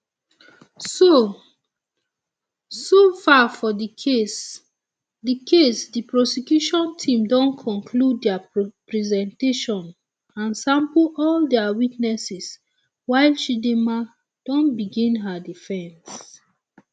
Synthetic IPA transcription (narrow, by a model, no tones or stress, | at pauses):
so | sofafɔdikʰes | dikʰesdipɹɔsikjuʃɔ̃ntʰĩmdɔ̃nkʰɔ̃nkʰludːɛapɹɛzɛ̃nteʃɔ̃n | ãnsãmplɔldɛawitnɛsis | waɪlʃidima | d̥ɔ̃nbiɡĩnɦədifɛ̃ns